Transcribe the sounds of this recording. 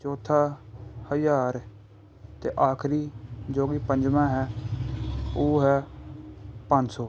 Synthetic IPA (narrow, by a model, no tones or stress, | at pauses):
t͡ʃɔːt̪ʰaːhəjaːɾ | t̪ḛːʔaːkʰɾiːd͡ʒoːɡiːpəɲd͡ʒmãːɦɛː | oːɦɛː | pəɲd͡ʒsɔː